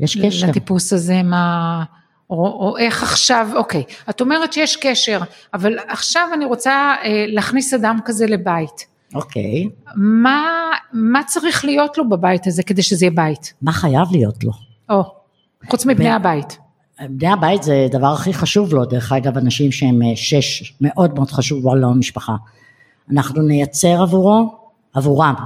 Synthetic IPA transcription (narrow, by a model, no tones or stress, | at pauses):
jʔeʃkelat̪ipusazema | oʔe̞χaχʃavo̞ke̞jato̞me̞ʁett͡ʃejeʃke̞ʃe̞ʁ | avalaχʃavaniʁo̞t͡saeleːχnisadamkaze̞le̞bait | okʰḛjmamat͡saʁiχlijo̞tlo̞babajitaze̞ked̪ejʃezejebaitmaχajavlijo̞tlo̞ | ʔo | χut͡smibnejhabajit | bnejabajitzed̪avaʁaχiχaʃuvlo̞deʁeχaɡavanaʃimʃeemʃe̞ʃme̞ʔo̞dmeo̞d̥χaʃuvalomiʃpaχa | anaχnunejat͡se̞ʁavuʁo | avuʁam